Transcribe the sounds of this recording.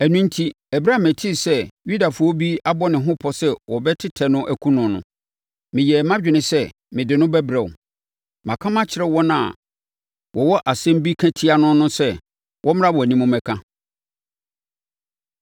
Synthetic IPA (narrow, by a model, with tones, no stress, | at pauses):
æ˨nũ˦n̩˦tʰi˦ | ɛ˨bɾa˦˨mæ̃˨tʰi˦˨sɛ˦ju˦da˨fʊ˨˦ɔ˦bi˦a˦bɔ˦nɪ̃˨ɦʊ̃˦pʰɔ˦sɛ˦wɔ˨bɛ˦tʰɪ˦tʰɛ˨nʊ̃˦ʔæ˨kʰũ˦nʊ̃˨nʊ̰̃˨ | mɪ̃˨jɛ˨mã˦d͡ʑᶣɪ˨nɪ̃˨sɛ˦ | mɪ̃˨dɪ˨nʊ̃˦bɛ˦bɾɛ˨ʊ̰˨ | mã˨kʰã˦mã˦t͡ɕʰɪ˨ɾɛ˦wɔ̃˦naã˨ | wɔ˨wɔ˦ʔa˨sɛ̃˦m˦bi˦kʰæ̃˦tʰi˦a˨nʊ̃˦nʊ̃˦sɛ˦ | wʔɔ̃˦m˦ɾã˦wɔ˨æ˨nĩ˦mʊ̃˦mɛ̃˨kʰã˦